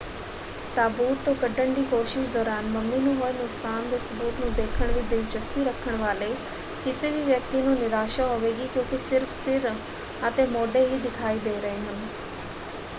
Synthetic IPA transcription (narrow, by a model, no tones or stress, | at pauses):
t̪aːbuːt̪ːokɐɖʱəɳɖikoːʃɪʃd̪ɔːɾaːnmɐmninũɦoːɪnʊksaːnd̪esʊbuːt̪nũd̪eːkʰəɽ̃ʋɪd̪ʱit͡ɕɐst̪iɾɐkʰəɽ̃ʋaːle | kɪseʋiʋjɐk̚t̪inũnɪɾaːʃaɦoʋeːɡikjõːkisɪɾfsɪɾ | aːt̪emoːɖeɦiɗ̪ɪkʰaːid̪eeɾɐɦiɦʊ̃n̆